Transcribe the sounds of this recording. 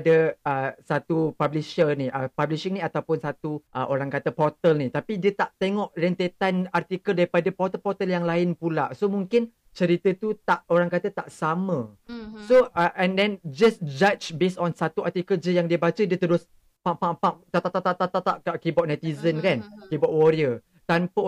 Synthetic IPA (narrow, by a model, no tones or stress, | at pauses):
dəəsat̪upabliʃəniʔəpabliʃɪŋnĩat̪awpʊnsat̪uʔəʔoɾaŋkat̪əpɔrt̪əlnĩt̪apidiət̪aʔt̪eŋɔʔrɛnt̪et̪anart̪ikəldaɾipadapɔt̪əlpɔt̪əljaŋlaɪnpulaʔsomũŋkɪn | t͡ʃəɾit̪ət̪ut̪aʔoɾaŋkat̪ət̪aʔsamə̃ | soʔɛ̃ndɛ̃nd͡ʒasd͡ʒat͡ʃbesɔnsat̪uart̪ikəld͡ʒəjaŋdiəbat͡ʃədiət̪əɾʊs | papapat̪at̪at̪at̪aʔt̪at̪at̪aʔkaʔkibɔʔ̚nɛt̪izənkankibɔʔwɔɾiə | t̪ampə